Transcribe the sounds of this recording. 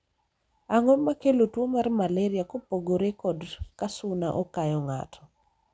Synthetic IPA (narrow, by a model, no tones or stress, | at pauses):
aŋɔmakelotwomarmalɛɾiakopoɡoɾekɔdkasʊnaʔɔkajɔŋa̰tʰɔ̥